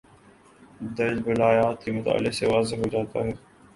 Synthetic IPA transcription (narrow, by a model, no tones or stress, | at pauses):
d̪əɾd͡ʒbəlaːjaːt̪iːmʊt̪a̰ːlɪseːʋaːzeɦoːd͡ʒaːt̪a̰ːɦɛː